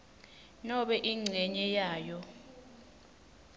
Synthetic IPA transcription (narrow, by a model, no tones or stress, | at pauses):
nɔɓɛʔiŋ͡ǀʱɛɲɛjaːjɔ